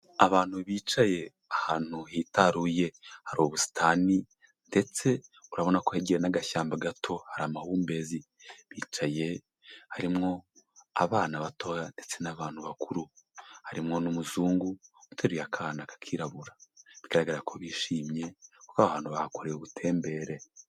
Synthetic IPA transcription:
aβaːn̥huβiːt͡ʃaje̞ | ahaːn̥uhitaɾuje̞haɾoβusi̥tʰani | nde̞t͡se̞uɾaβonakoheɟeɾenaɡaʃaːmbaɡatʰo̞haɾamahuːmbe̞zi | βiːt͡ʃaje̞ | haɾimŋo̞aβaːnaβatʰo̞jande̞t͡se̞naβaːn̥huβakuɾuhaɾimŋo̞numuzuːŋɡuutʰeɾujakʰanakḁkʰiːɾaβuɾaβiɡaɾaɡaɾakʰo̞βiːʃiːmɲe̞kukaβahaːn̥huβahakoɾejuβutʰe̞ːmbe̞ɾe̞

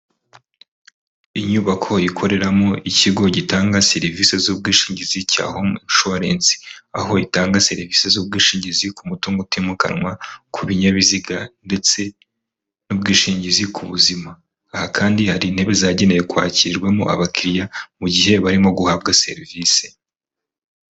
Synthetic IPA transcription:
iɲuːβakʰo̞ikʰo̞ɾe̞ɾamoiciɡo̞ɟitaːŋɡaseɾivise̞zuːb̚ɡiːʃiːɲɟizica̰ːhoʃoɾe̞ːnzi̥a̰ɦo̞itaːŋɡase̞ɾiviːse̞zuːb̚ɡiːʃiːɲɟizikumutuːŋɡotemuka̰nŋwakʰuβiɲaβiziɡande̞t͡se̞ | nub̚ɡiːʃiːɲɟizikʰuβuzimaː | hakʰaːndihaɾiːnhe̞βe̞zaɟe̞nejekwa̰ːciɾɡwe̞mo̰ʔa̰βakʰiɾjamuɟihe̞βaɾimo̞ɡuhaβɡase̞̰ɾiviːse̥

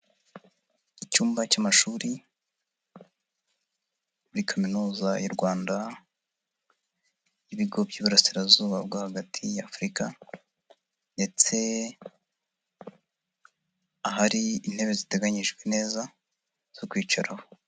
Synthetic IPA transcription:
icuːmbacamaʃuːɾi | muɾikʰaminuːzajuɾɡwaːnda | jiβiɡo̞bɟiːβuɾasiɾazuːβab̚ɡahaɡatʰijaːfɾika | nde̞t͡se̞ | aɦaɾiin̥he̞βe̞zite̞ɡaɲiʒɡwene̞ːza | z̥o̞kwiːt͡ʃaɾaho

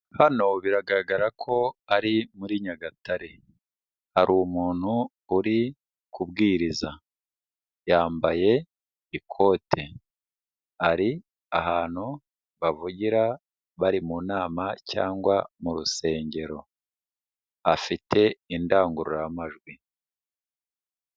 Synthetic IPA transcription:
hano̞βiɾaɡaɾɡaɾakʰo̞aɾimuɾiɲaɡatʰaɾe̞ | haɾʔumuːn̥huː | ɾi | kubɡiːɾiza | jaːmbaje̞ | ikʰo̞ːtʰe̞ | aɾi | aɦaːn̥hu | βavuɟiɾa | βaɾimunaːmaca̰ːŋɡwamuɾuse̞ːɲɟe̞ɾo̞ | afitʰe̞indaːŋɡuɾujamaʒɡwi

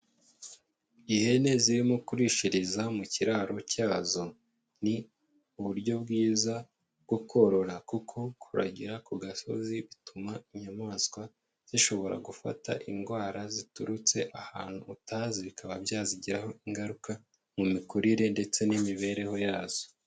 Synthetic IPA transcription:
ihe̞ne̞ziɾimukuɾiʃiɾizamuciɾaːɾo̞caːzo̞ | ni | uβuɾɟo̞b̚ɡiːza | bɡukʰo̞ɾo̞ɾakukʰo̞kʰuɾa̰ɟiɾakuɡaso̞̰ziβitumaiɲamaːskwa | z̥iʃo̞βo̞ɾa̰ɡufa̰ta̰ʔiŋɡwaːɾazituɾut͡se̞ʔaha̰ːn̥huːtaziβikaβabjaːziɟiɾaho̞iŋɡaɾuka | mumikuɾiɾe̞nde̞t͡se̞nimiβe̞ɾe̞ho̞jaːz̥o̞̥

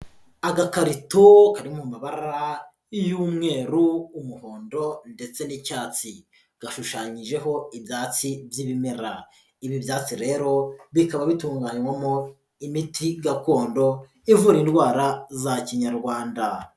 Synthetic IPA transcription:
aɡakaɾitokaɾimumaβaɾa | juːmŋe̞ːɾuːmuho̞ːndo̞nde̞t͡se̞nicaːt͡si | ɡ̥aʃuʃaːɲiʒe̞ɦo̞ibjaːt͡sivjiβimeɾa | iβibjaːt͡siɾe̞ːɾo̞βikaβaβituːŋɡaːɲwamo | imitʰiɡako̞ːndo̞ | ivuɾiːndɡwaːɾazaciɲaɾɡwaːnda

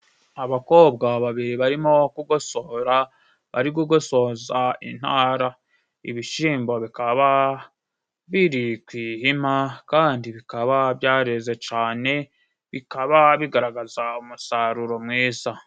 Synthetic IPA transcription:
aβako̞ːb̚ɡaβaβiɾiβaɾimo̞kuɡo̞so̞ɾa | βa̰ɾikuɡo̞so̞zaḭnhaːɾa | ḭβiʃiːmbo̞βikaβa | βiɾikwiːhimakaːndiβikaβabjaːɾeze̞t͡ʃaːne̞ | βikaβaβiɡaɾaɡazaumusaɾuɾo̞mŋiːza

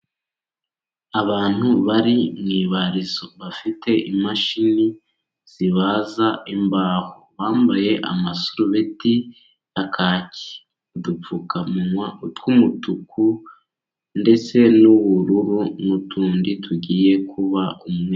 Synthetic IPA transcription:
aβaːn̥huβaɾimŋiːβaɾizoβafitʰe̞ʔimaʃini | z̥iβazaimbaːhoβaːmbaje̞ʔa̰masuɾuβeti | akʰaːci̥ | udup͡fukamuwatkumutuku | nde̞t͡se̞nuβuɾuɾumutʰuːnditʰuɟiːje̞kʰuβaʔumue

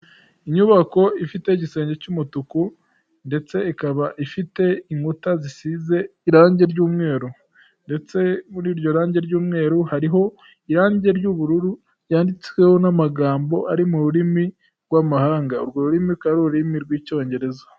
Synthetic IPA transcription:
iɲuβako̞ifite̞iɟise̞ːɲɟe̞cumutuku | nde̞t͡se̞ikaβaʔifite̞iŋutazisize̞iɾaːɲɟe̞ɾɟuːmŋe̞ːɾu | nde̞t͡se̞muɾiːɾɟo̞ɾaːɲɟe̞ɾɟuːmŋe̞ːɾuhaɾiɦo̞ | iɾaːɲɟe̞ɾɟuβuɾuɾu | jaːndit͡swe̞ho̞namaɡaːmbo̞ʔaɾimuɾuɾimi | ɡwamahaːŋɡauɾɡoɾuɾimikaɾoɾimiɾɡwiːco̞ːɲɟe̞ɾe̞zḁ

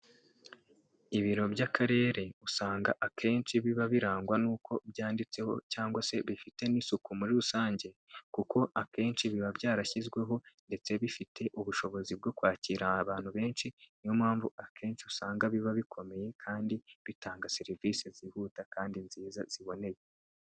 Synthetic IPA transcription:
iβiɾo̞bɟakʰaɾe̞ːɾe̞usaːŋɡaʔakʰe̞ːnt͡ʃiβiβaβiɾaːŋɡwanuːkʰo̞bjaːndit͡se̞ho̞̰caːŋɡwase̞βifite̞nisukumuɾuɾusaːɲɟe̞kukʰo̞ʔake̞ːnʃiβiβabɟaːɾaçizɡwe̞ɦo̞nde̞t͡se̞βifitʰe̞ʔuβuʃo̞βo̞zib̚ɡo̞kwaːciːɾaaβaːn̥huβe̞ːnʃinijomhaːɱvuakʰe̞ːnt͡ʃiusaːŋɡaβiβaβikʰo̞me̞je̞kʰaːndiβitaːŋɡaseɾiviːsezihuːtakaːndinziːzaz̥iβo̞ne̞je

